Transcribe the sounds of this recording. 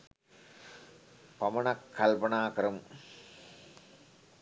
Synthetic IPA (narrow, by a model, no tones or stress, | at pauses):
pamɐnakʰːalpənaːkəɾɐmu